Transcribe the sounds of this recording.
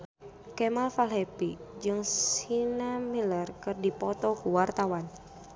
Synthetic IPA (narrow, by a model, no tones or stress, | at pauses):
kɛmalfalɦɛpid͡ʒɨŋssinamilərkɨrdipɔt̪ɔkuwart̪awan